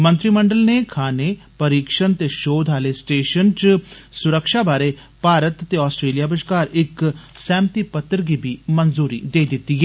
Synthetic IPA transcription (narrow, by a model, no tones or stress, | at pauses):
mə̃nt̪ɾiːməɳɖəlneːkʰaːnepəɾiːkʃənt̪eːʃoːd̪ʱɦaːlesʈeːʃənt͡ʃsʊɾəkʃaːbaːɾeː | paːɾət̪ːeːɔːsʈɾeːlijaːbəʃkaːɾɪksɛ̃ːmt̪iːpət̪ːəɾɡiːbiːmənzuːɾḭːd̪eːd̪ɪt̪ːiɦɛː